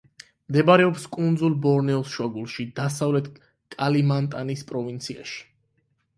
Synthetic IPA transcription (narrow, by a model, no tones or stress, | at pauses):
md̪ɛbaɾɛɔpskʼund̪zulˠbɔɾnɛɔsʃwaɡulˠʃid̪asavlɛt̪ʰ | kʼalimant̪ʼanispʼɾɔvint̪sʰia̰ʃi̥